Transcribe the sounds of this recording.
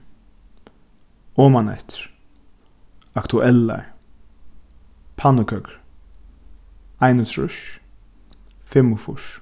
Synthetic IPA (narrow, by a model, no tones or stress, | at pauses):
ɔːmanɛ̰ht̪ɾ | akt̪ʰʊʔɛlːa̰ɹ | pʰanʊkʰœkɹ | ajnət̪ʰɾʊ̰ʃ | fɪmːʊfʊ̰ʃ